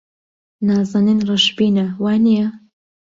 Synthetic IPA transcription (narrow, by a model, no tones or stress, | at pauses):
naːzɐninrɨʃbiːnɐwaːnijɐ